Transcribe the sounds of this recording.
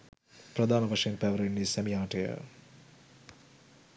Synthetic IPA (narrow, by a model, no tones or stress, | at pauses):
prɐd̪ʱaːnɐʋɐʂɐjɐnpɛʋɐɾenːisɛmijaːʈɐjə̰